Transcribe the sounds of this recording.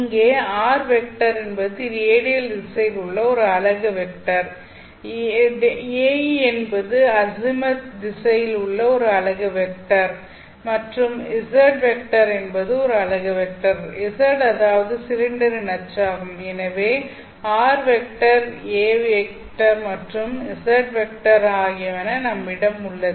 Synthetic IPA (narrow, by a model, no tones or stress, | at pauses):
ŋɡeːaːɾʋɛk̚ʈɐɾɛnbɐðɯɾeːɽɪjɐld̪ɪsɐjɪlʊɭːɐɔɾɯɐɭɐɣɐʋɛkʈɐɾ | eːɛnbɐðɯɐsɪmɐt̪d̪ɪsɐjɪlʊɭːɐɔɾɯɐɭɐɣɐʋɛk̚ʈɐɾ | mɐʈrɯmɪsɐɾʈʋɛk̚ʈɐɾɛnbɐðɯɔɾɯɐɭɐɣɐʋɛk̚ʈɐɾɪsɐɾʈɐðaːʋɐðɯsɪɾɪɳɖɐɾɪnɐt͡ʃːaːɣɯmɛnɐʋeː | aːɾʋɛk̚ʈɐɾeːʋek̚ | ʈɐɾmɐʈrɯmɪsɐɾʈʋɛk̚ʈɐɾaːɣɪjɐʋɐnɐnɐmːɪɽɐmʊɭːɐðɯ